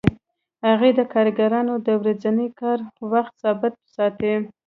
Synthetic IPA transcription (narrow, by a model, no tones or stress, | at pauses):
haɣed̪əkɑɾɡaɾɑnod̪əwɾad͡zanəjkɑɾwaxt̪sɑbɪt̪̚sɑt̪i